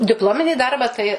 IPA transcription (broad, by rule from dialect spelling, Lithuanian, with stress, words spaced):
dʲɪpˈlˠoːmʲɪnʲiː ˈdɐrbɑː tɐɪ